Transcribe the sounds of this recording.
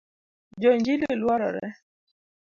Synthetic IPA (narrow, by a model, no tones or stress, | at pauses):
d͡ʒɔɲd͡ʒilolwaɾɔ̰ɾɛ̰